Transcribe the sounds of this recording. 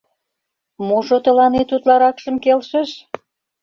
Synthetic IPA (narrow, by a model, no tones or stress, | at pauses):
moʒot̪ə̆lɑnet̪ut̪lɑɾɑkʃə̆mkelʃə̆ʃ